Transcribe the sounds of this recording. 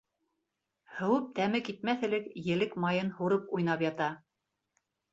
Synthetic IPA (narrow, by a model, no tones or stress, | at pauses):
hɵ̆wɘp̚t̪æmɘkit̪̚mæθɘ̆lɘkjɘ̆lɘkmɑjɤnhuɾɤpujnɑpjɑt̪ɑ